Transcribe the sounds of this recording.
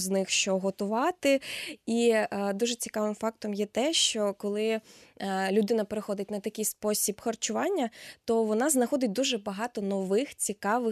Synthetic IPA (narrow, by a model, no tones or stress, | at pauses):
znɪxʃt͡ʃɔɦɔt̪ʊʋɑt̪ɪid̪uʒɛt͡sʲikɑʋɪmfɑk̚t̪ɔmjɛt̪ɛʃt͡ʃɔkɔlˠɪ | lʲʊd̪ɪnɐpeɾɪxɔd̪ɪt̚ʲnɐt̪ɐkʲɪjspɔsʲibxɐrt͡ʃʊʋɑnʲːɐt̪ɔʋɔnɑznɐxɔd̪ɪt̚ʲd̪uʒɛbɐɦɑt̪ɔnɔʋɪxt͡sʲikɑʋɪ